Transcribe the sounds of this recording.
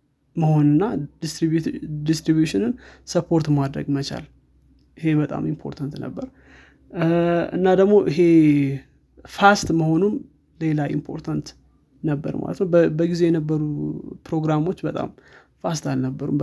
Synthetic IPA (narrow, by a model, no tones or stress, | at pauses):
məho̞nɨnːast̪id̪ist̪ɾibjuʃɪnɨnsəpʰo̞ɾt̪mad̪ɾə̰ɡmət͡ʃa̰l | ɪɦe̞bət̪ʼa̰mimpʰo̞̰ɾt̪ʰant̪nə̰bːəɾ | ɨ̰nːad̪əɡmo̞ʔɪɦe̞ | fast̪məho̞num | le̞laʔḭmpʰo̞̰ɾt̪ʰant̪ | nəbːə̰ɾma̰lət̪nəwbəɡize̞jɛnəbːəɾupʰɾo̞ɡɾamo̞t͡ʃːbət̪ʼa̰m | fast̪alnəbːəɾum